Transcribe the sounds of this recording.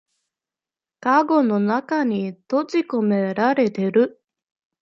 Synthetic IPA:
kaɡo̞no̞nakaɲ̟it̪ot͡ɕiko̞me̞ɾaɾe̞t̪e̞ɾɯ̟

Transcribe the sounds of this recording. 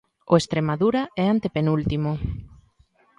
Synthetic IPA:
oest̪ɾemaðuɾaɛant̪epenult̪imo

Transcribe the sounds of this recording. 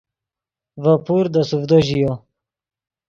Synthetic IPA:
vapuɾd̪əsufd̪oʑijo

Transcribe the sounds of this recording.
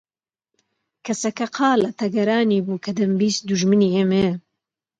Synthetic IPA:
kʰɐsɐkɐqʰɑːlɐt̪ʰɐɡɐɾaːniːbuːkʰɐd̪ɐmbiːsd̪uʒmɨniːeːme

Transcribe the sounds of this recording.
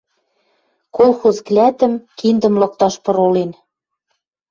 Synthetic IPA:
kolˠxozklʲæt̪ə̆mkind̪ə̆mlɤ̆k̚t̪ɑʃpɤ̆ɾolen

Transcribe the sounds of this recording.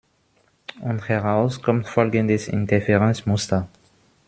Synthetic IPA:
ʔʊnthɛʁaʊskʰɔmtfɔlɡəndəsɪ̰ntʰɛfɛʁɛnsmʊstɐ

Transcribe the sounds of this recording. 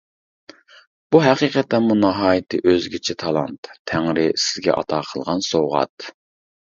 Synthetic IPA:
b̥uɦæqiːqʰɛt̪ːɛnmunɑɦɑːjɨt̪ʰɨʔøzɡʲɪt͡ʃʰɛt̪ʰɑlˠɑ̰nt̪ʰːæŋɾɪsɪ̥zɡʲɛ̰ʔɑ̰t̪ʰɑːqʰəlˠʁɑnsoʁɑ̰t̪

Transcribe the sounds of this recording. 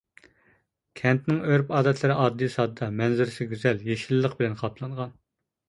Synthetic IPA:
kʲʰɛnt̪nɪŋøɾpɑːd̪ɛt̪ʰlˠɨɾɪʔɑːd̪ːisɑd̪d̪ɑmɛnzyɾɪsɪɡʲyzɛljeʃilːəq̚bɪlɛnqʰɑpʰlˠɑɴʁɑn

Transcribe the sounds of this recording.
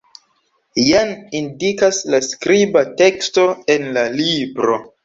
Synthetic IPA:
janindikaslaskɾibate̞ksto̞e̞nlalibɾo̞̰

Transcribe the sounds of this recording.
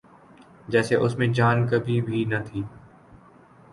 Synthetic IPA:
d͡ʑɛːseʔʊsmẽd͡ʒaːnkəbʱibʱinət̪ʰiː

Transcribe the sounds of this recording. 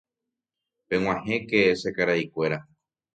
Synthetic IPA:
pẽ̞w̃ãɦẽkesekaɾaikʷe̞ɾa

